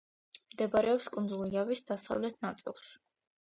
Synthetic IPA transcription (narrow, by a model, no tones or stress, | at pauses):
md̪ɛbaɾɛɔpskʼund̪zulˠiavisd̪asa̰vlɛt̪ʰnat̪sʼḭlˠs